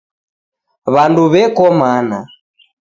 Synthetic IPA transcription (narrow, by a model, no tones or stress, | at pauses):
βanduβɛkɔmana